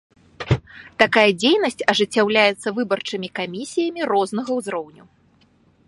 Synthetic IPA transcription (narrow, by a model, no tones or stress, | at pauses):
t̪akajɐd͡zʲejnɐsʲt͡sʲɐʐɨt͡sʲːawlʲajɛt̪sːɐvɨbɐrt͡ʂɨmʲikamʲisʲijɐmʲirɔznɐɣɐwzɾɔwnʲu